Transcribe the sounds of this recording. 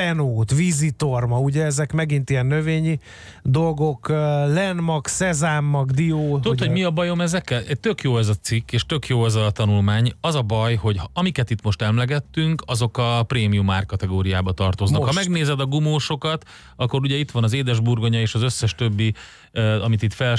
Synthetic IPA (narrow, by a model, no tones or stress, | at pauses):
ɛnoːt̪vizit̪ormɒuɟɛɛzɛkmɛɡint̪ijɛnːøveːɲi | d̪o̞lɡo̞kːlɛnmɒksɛzaːmːɒɡd̪ioːud̪ot̪hoɟmiɒbɒjo̞mɛzɛkːɛlʔɛt̪ø̞kjoːɛzɒt̪sikːeːʃt̪ø̞kjoːɛzɒt̪ɒnulmaːɲɒzɒbɒjho̞ɟhɒmikɛt̪it̪mo̞ʃt̪ɛmlɛɡɛt̪ːyŋkɒzo̞kɒpreːmijumaːrkːɒt̪ɛɡoːɾijaːbɒt̪ɒrt̪o̞znɒkhɒmɛɡneːzɛd̪ɒɡumoːʃo̞kɒt̪ | ɒkːo̞ɾuɟɛit̪ʋɒnɒzeːd̪ɛʒburɡo̞ɲɒeːʃɒzø̞sːɛʃt̪ø̞bːi | ɒmit̪it̪fɛl